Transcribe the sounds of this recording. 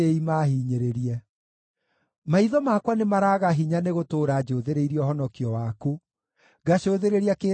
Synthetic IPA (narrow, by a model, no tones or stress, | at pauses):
eimaɦiːɲeɾeɾiɛ | maiðɔmakwanemaɾaːɣaɦiɲaneɣotoːɾaːd͡ʑoːðeɾeiɾiɔɦɔnɔkiɔwaku | ɣaɕoːðeɾeɾiake